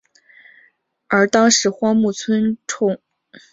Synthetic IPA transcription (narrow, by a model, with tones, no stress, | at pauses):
ə˞˧˥t̪ɑ˥ŋʂɻ̩˧˥xwɑ˥ŋmu˥˩t͡sʰwə˥nʈ͡ʂʰʊ˥˩ŋ